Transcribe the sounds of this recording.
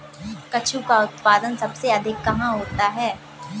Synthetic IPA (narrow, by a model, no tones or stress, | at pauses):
kɐt͡ʃʰukaʊt̪paːd̪ənsɐbseɐd̪ʱɪkːɐɦãɦoːt̪aɦɛː